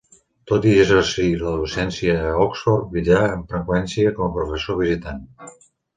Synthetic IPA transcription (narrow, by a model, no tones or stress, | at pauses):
t̪ot̪izərsiləðusɛnsiəɔksfɔrt̚bid͡ʒaəɱfɾəkwɛnsiəkɔməpɾufəsoβ̞izit̪an